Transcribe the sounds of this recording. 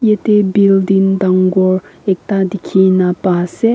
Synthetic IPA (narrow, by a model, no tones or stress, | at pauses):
jet̪ebild̪ind̪aŋɡɔɹek̚tad̪ikʰinapase